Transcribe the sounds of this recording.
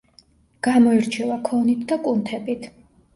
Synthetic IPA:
ɡ̥amɔiɾt͡ʃʰɛvakʰɔnit̪ʰd̪akʼunt̪ʰɛbit̪ʰ

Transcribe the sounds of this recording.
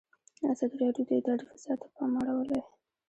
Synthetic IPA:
azɑd̪iɾɑɖjod̪əd̪ɑɽifzjɑt̪ʰḁpɑmaɽawəle

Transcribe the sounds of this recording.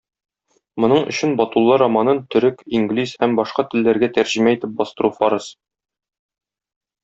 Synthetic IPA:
mŏnɤɴɵ̰̆ɕɘnbɒt̪ulˠːɑɾɒmɑnɤnt̪ɵ̆ɾɘkiŋɡlʲishæmbɒʃqɑt̪ɘ̆lːæɾɡæt̪æɾʑĭmæit̪ɘp̚bɒst̪ɤ̆ɾufɒɾɤs

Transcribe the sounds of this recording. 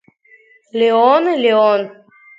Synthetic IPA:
lʲeonelʲeon

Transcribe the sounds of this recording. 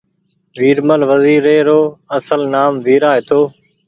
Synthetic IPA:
ʋiːɾməlʋəziːɾeːɾoːəsəlnaːmʋiːɾaːɦeːt̪ʰoː

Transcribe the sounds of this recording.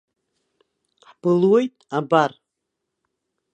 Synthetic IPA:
ħb̥ɨlwe̞jtʼabar

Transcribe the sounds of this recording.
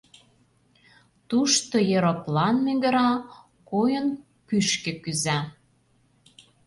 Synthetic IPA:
t̪uʃt̪ojeɾoplɑnmĕɡə̆ɾɑ | kojən | pyʃkĕkyzæ

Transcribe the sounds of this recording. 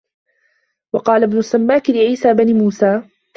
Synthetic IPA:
wɑqɑːlabnʊsːamːaːkɪlɪʕiːsaːbanimuːsaː

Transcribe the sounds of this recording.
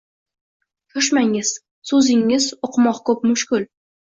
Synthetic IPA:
t͡ʃʰoʃ̬maŋɪz̥ | sɵzɪŋːɪzoqʰɨmɒqkʰɵp̚mʊʃkʲʊl

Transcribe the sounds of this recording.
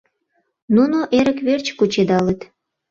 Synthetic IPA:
nunoʔeɾəkβert͡ɕkut͡ɕed̪ɑlet̪

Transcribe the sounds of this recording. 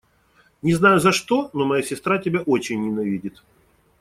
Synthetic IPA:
nʲɪznajʊzɐʂt̪o̞nomɐjasʲɪst̪ɾatʲɪbʲaʔo̞t͡ɕɪnʲːɪnɐvʲidʲɪt̪

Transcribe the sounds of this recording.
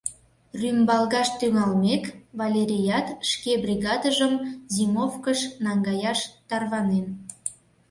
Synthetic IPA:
rymbɑlɣɑʃt̪yŋɑlmekvɑlʲeɾʲijɑt̪ʃkebrʲiɣɑd̪əʒəmzimofkəʃnɑŋɡɑjɑʃt̪ɑrβɑnen

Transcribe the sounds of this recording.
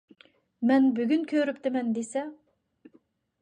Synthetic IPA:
mɛnbyɡʲynkʲʰøɾypt̪ɪmɛnd̪esɛ

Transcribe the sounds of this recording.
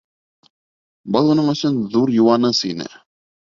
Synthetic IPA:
bɤlˠunɤɴɵ̆sɵnðuɾjŭwɑnɤsinɘ̰

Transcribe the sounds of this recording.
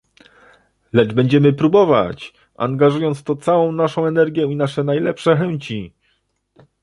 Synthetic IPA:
lɛd͡ʐbɛɲd͡ʑɛmɘpɾubɔva̰t͡ɕ | a̰ŋɡaʐujɔnt̪st̪ɔt̪sawɔ̃w̃naʂɔ̃w̃ɛnɛɾɡʲjɛinaʂɛnajlɛpʂɛxɛɲt͡ɕi

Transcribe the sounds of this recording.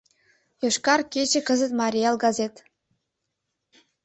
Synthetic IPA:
joʃkɑrkʲet͡ɕĕkə̆zə̆t̪mɑɾʲijɑlˠɡɑzʲet̪

